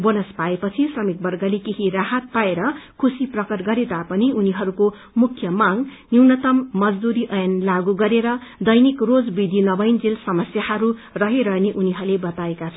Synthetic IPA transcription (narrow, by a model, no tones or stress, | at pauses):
bonʌspaepʌt͡sʰisrʌmik̚bʌrɡʌlekeɦiraɦat̪̚paeɾʌkʰusiprʌkʌrɡʌɾed̪apʌniuniɦʌɾuko | mukʰjʌmaŋniwnʌt̪ʌmːʌd͡zd̪uɾiʔʌjʌnlaɡuɡʌɾeɾʌd̪ʌjnikrod͡zbid̪ʱinʌbʌjnd͡zilsʌmʌsjahʌɾurʌɦiɾʌneʔuniɦʌɾulebʌt̪aekat͡sʰʌ